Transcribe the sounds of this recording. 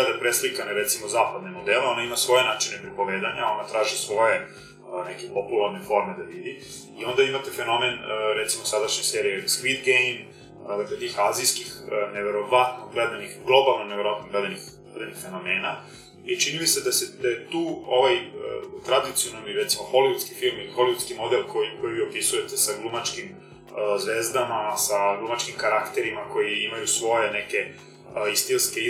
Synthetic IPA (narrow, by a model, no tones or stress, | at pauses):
ad̪apɾeslikanaɾet̪simozaːpad̪nemod̪eːleo̞naimasʋo̞jenaːt͡ʃinepɾipo̞ʋeːd̪aɲao̞nat̪ɾaːʒisʋo̞je | nekepo̞pulˠaɾnefo̞ɾmed̪aʋid̪i | io̞nd̪aimat̪efe̞no̞menɾet̪simosad̪aʃɲeseːɾijeskʋit̪ɡejn | d̪aklet̪iːxazijskixneʋe̞ɾo̞ʋat̪noɡled̪anixɡlˠo̞balˠnoneʋeɾoat̪noɡled̪enix | ed̪enixfe̞no̞meːna | it͡ʃinimised̪aset̪aet̪uːo̞ʋaj̰t̪ɾad̪it̪sio̞nomiɾet̪simoxo̞liʋut̪skifilˠmilixo̞liut̪skimo̞d̪elkʰojikojiʋiopisuje̞t̪esaɡlumat͡ʃkim | zʋe̞ːzd̪amasaɡlumat͡ʃkimkaɾakt̪e̞ɾimako̞jiimajusʋo̞jeneke̞ | ist̪ilske